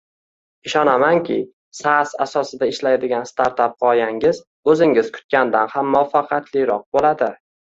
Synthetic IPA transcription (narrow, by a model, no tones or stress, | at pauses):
ɪʃɒnamaŋkʲʰɪ̰ | sasasɒsɪd̪aɪʃlajd̪ɪɡʲanst̪ʰaɾt̪ap̚qɒjaŋɪz | ɵzɪŋɪz̥kʰʊ̥t̪̚kʲand̪anhamːɒfɑqʰɑt̪ʰlɪɾɒq̚bolad̪ɪ